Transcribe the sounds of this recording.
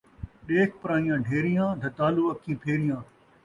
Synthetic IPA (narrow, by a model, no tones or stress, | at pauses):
ɗeːkʰpɪɾaːĩjãːɖʱeːɾɪjãːd̪ʱɐt̪aːluːɐkʰːĩːpʰeːɾɪjãː